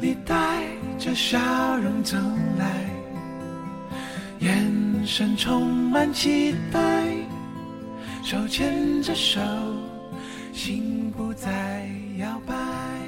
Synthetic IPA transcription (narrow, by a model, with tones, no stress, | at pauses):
li˧˩t̪a˥˧ɪʈ͡ʂə˧˩ɕjɑ˧˥ɻʊ˧˥ŋt͡sʰɤ˧˥ŋla˧˥ɪ | jɛ˧˥nʂə˧˥nʈ͡ʂʰʊ˥ŋma˧nt͡ɕʰi˥t̪a˥ɪ | ʂo˨˩ʊt͡ɕʰjɛ˥nʈ͡ʂə˧ʂo˨˧˥ʊ | ɕi˧˥ŋpu˧t͡sa˧˩ɪ | jɑ˧˩ʊpa˧ɪ